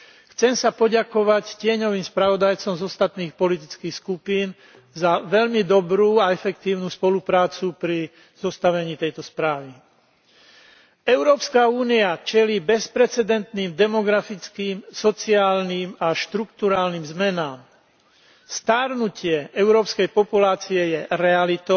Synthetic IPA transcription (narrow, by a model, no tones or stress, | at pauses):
xt͡sɛmsapɔɟakɔʋaccɪɛɲɔʋiːmspɾaʋɔd̪ajt͡sɔmzɔst̪at̪niːxpɔlit̪it͡skiːxskupiːn | zaʋɛʎmid̪ɔbɾuːaɛfɛkt̪iːʊnuːspɔlupɾaːt͡supɾi | z̥ɔst̪aʋɛɲiːt̪ɛjt̪ɔspɾaːʋi | ɛʊɾɔːpskauːniat͡ʃɛliːbɛspɾɛt͡sɛd̪ɛnt̪niːmd̪ɛmɔɡɾafit͡skiːmsɔt͡siaːlniːmaʃt̪ɾukt̪uɾaːlniːmzmɛnaːm | st̪aɾnucɪɛɛʊɾɔːpskɛjpɔpulaːt͡siɛjɛɾɛalit̪ɔ